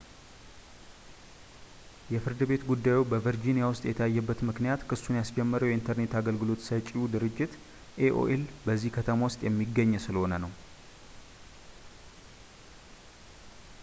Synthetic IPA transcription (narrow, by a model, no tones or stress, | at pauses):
jɛfɨɾd̪ɨbe̞t̪ɡud̪ːajubəvəɾd͡ʒinijawʊst̪ʼjɛt̪ʰəajːɛbːət̪mɨknijat̪kʰɨsunjasd͡ʒɛmːəɾəwjɛint̪ʰəɾne̞t̪aɡəlɡɨlo̞t̪sət͡ʃʼːiud̪ɨɾɨd͡ʒːɪt̪ | ʔeʔo̰ʔelbəzːihkʰət̪ʰəmawʊst̪ʼjɛmːiɡːəɲːsɨləho̞nənəw